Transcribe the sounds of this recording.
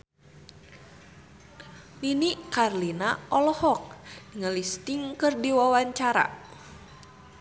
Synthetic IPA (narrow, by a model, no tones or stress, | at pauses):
ninikarlinaɔlɔhɔk̚ŋəlist̪iŋkɨrdiwawaɲt͡ʃaɾa̰